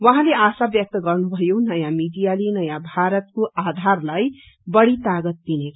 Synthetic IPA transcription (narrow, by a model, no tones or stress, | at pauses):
wʌɦãleasabjʌk̚t̪ʌɡʌrnubʱʌjonʌjãmiɖijalinʌjãbʱaɾʌt̪̚koʔad̪ʱarlaj | bʌɽit̪aɡʌt̪̚d̪inekʰ